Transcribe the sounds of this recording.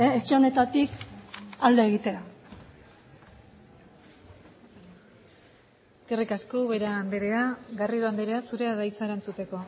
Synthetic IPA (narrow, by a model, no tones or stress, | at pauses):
et͡ʃeo̞ne̞t̪at̪ikald̪e̞eɣit̪e̞a | eske̞rikaskoβe̞ɾaːnd̪eɾe̞aɡariðoand̪eɾeasuɾe̞aðajt͡saeɾant͡sut̪e̞ko̞